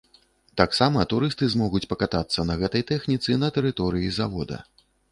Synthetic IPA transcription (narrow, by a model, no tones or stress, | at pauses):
t̪aksamɐt̪uɾɨst̪ɨzmɔɣut͡sʲpɐkat̪at̪sːɐnɐɣɛt̪ɐjt̪ɛxnʲit̪sɨnɐt̪ɛɾɨt̪ɔɾɨjizavɔd̪ɐ̰